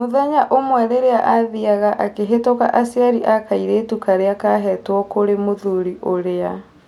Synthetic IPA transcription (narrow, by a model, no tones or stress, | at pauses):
moðɛɲaʔomwɛɾeɾeaʔaðiaɣaʔakeɦetoka̰ʔasiaɾiʔakaiɾeːtukaɾeakaɦɛtwɔkoɾemoðuɾiʔoɾea